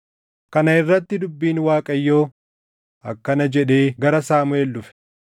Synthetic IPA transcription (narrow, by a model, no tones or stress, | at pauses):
kɐnɐɪrːɐt̪ːɪd̪ʊbːiːnwaːkʼɐjːoː | ɐkːɐnɐd͡ʒɛᶑe̞ːɡɐɾɐsaːmʊelːʊfɛ̥